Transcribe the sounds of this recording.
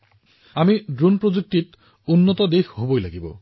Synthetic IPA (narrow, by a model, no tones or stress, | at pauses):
amidɹunpɹozuk̚tit | unːɔtɔdexɦobojla̰ɡibɔ̰